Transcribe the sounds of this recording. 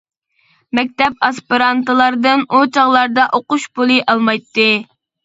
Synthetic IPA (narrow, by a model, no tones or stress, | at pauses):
mɛk̚ʲt̪ɛp̚ɑspiɾɑnt̪ɨlˠɑɾd̪ɨnut͡ʃʰɑʁlˠɑɾd̪ɑʔoquʃpulˠɨʔɑlˠmɑjt̪ːɨ